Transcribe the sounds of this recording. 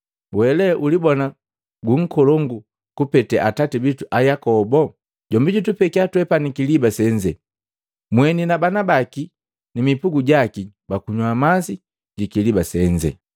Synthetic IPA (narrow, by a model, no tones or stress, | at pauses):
wɛlɛʔulibɔna | ɡuŋ̩kɔlɔŋɡu | kupɛtɛʔatatibituʔajakɔbɔ | ɟ̥ɔmbiɟutupɛkiatwɛpanikilibasɛɲd͡ʒɛ | mwɛninabanabaki | nimipuɡuɟaki | bakuɲwamasi | ɟikilibasɛɲd͡ʒɛ̰